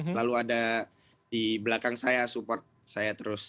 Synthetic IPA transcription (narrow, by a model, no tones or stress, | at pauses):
səlaluada | diblakaŋsajasupɔrt̪̚sajat̪əɾʊs